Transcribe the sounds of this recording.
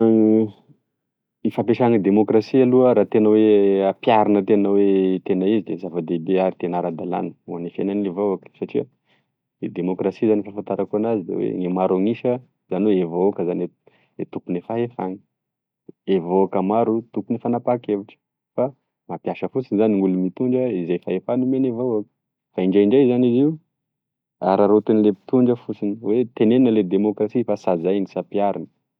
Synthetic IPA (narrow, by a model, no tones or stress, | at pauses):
ifap̬eʃaŋid̪emokrasialuəɾat̪enəweapjaɾinət̪enəwet̪enəizid̪ezavad̪ebeaɾit̪enaɾad̪ala̰nə̥uanifenanevoakə̥saʈ͡ʂia | d̪emokrasizanifafant̪aɾakuanazid̪ḛwḛŋemaɾaŋiʃə | zaniweevaokəzane | et̪upunefaɦefani̥ | evoakəmaɾut̪ukunifanapakeviʈ͡ʂə̥ | fa | mapjaʃəfut͡sinzaniŋulumit̪uɳɖ͡ʐəizejfaefanumenevaakə̥ | faiɳɖ͡ʐaiɳɖ͡ʐajzaniziu | aɾaɾot̪enilepi̥t̪uɳɖ͡ʐəfut͡siniwet̪eneninəled̪emokrasifasazajnisapiaɾinə̥